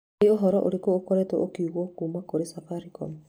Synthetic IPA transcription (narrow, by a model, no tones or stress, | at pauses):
ioɦɔɾɔʔo̰ɾekoːkoɾɛtoʔokiuɣɔkuːmakoɾesafaɾikɔm